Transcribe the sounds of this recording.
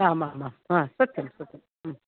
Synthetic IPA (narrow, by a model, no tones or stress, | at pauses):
amamaãsɐtɨmsɐtːɨm̩